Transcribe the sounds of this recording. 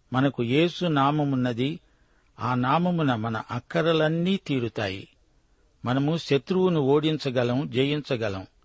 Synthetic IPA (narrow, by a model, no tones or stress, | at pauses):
mɐnɐkujeːsunaːmɐmunːɐd̪i | aːnaːmɐmunɐmɐnɐʔɐkːɐɾɐlɐnːiːt̪iːɾut̪a̰ːjḭ | mɐnɐmuʃɐt̪ɾuwunuo̞ːɽint͡ʃɐɡɐlɐmd͡ʒejint͡ʃɐɡɐlɐ̰m